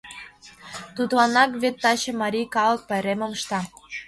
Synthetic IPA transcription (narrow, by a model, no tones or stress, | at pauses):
t̪ud̪lɑnɑkβet̪ːɑɕɤ̆mɑɾʲikɑlɤk̚pɑjɾemŏmʃt̪ɑ